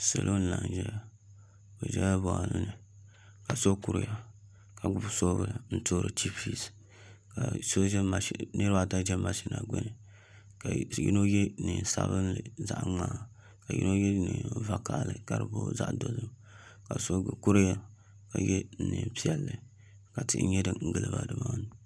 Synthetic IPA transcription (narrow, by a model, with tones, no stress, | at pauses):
se˨lʔo˦n̩˦˨la˨n˨ʒɛ˦ja˦ | bo˨d͡ʒɛ˦ja˦bo˨a̰˨nɨ˦nɨ˨ | ka˨so˦ku˦ɾja˦ | ka˨ɡ͡bu˦bso˦bɨ˨n̩˦to˦ɾɨ˨t͡ʃi˦fi˦s | ka˨so˦d͡ʒɛ˦ma˨˦nɨ˦ɾɨ˦ba˦ta˦d͡ʒɛ˦ma˨ʃi˦na˨ɡ͡bɛ̰˦nɨ˨ | ka˨jḭ˦no˦jɛ˦˨nɨ˨n˨sa̰˦βɨ˦nlɨ˨za˦ʔŋ͡maː˦˨ | ka˨jḭ˦no˦jɛ˦nɨ˨va˨ka˨lɨ˨ka˨ɾɨ˨bo˦za˦ʔdo˦zɨ˦m | ka˨so˦˨ku˦ɾja˦ | ka˨jɛ˦n̩˨nɨ˨pi˦ɛ˦lːɨ˨ | ka˨tɨ˨˦ɲɛ˦dɨ˨ŋ̩˦ɡɨ˨lɨ̰˦ba̰˨dɨ˨ma˦˨n˦